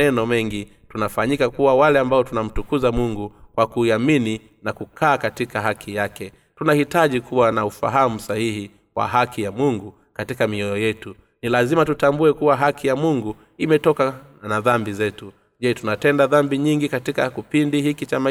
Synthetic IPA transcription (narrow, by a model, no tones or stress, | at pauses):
ɛnɔmɛŋɡi | tunafaɲikakuwawalɛambaɔtunam̩tukuzamuŋɡukwakuiamini | nakukʰaːkatikaɦakʰijakɛ | tunahitaʄikuwanaufa̰ɦamusahihi | wa̰ɦakʰijamuŋɡu | katikamiɔjɔjɛtu | nilazimatutambuɛkuwaɦakijamuŋɡu | imɛtɔka | naðambizɛtu | ʄɛtunatɛndaðambiɲiŋɡikatikakipindihikit͡ʃama